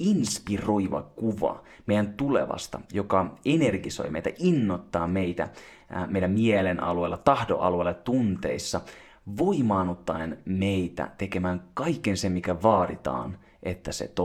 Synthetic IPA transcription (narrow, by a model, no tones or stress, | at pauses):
inspiroiʋɑ̰kuʋɑ̰ | mejænt̪ulḛʋɑ̰st̪ɑ̰jokɑenerɡiso̰jmeit̪æ̰ʔinːot̪ːɑːmeit̪æ̰ | meijlːæmielenʔɑ̰lueːlːɑt̪ɑhdo̰ʔɑ̰luelːɑt̪unt̪ḛisːɑ | ʋoimɑːnot̪ːɑenmeit̪æ̰t̪ekemæːŋkɑikːensemmikæʋɑːdit̪ɑ̰ːn | ʔet̪ːæsḛt̪o